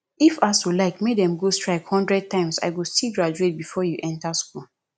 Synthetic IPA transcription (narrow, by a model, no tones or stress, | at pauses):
ifastulaɪkmedɛ̃mɡostɹaɪkhɔ̃ndɹɛd̚tãɪ̃msa̰ɪwilstilɡɹad͡ʒuet̚bifɔjuʔɛ̃ntaskul